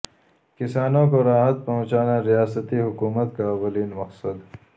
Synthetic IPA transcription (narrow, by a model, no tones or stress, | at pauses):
kɪsaːnõkoɾaːɦət̪̚pɐɦʊ̃t͡ʃaːnaɾijaːsət̪iɦʊkuːmət̪kawɐliːnmɐqsəd̪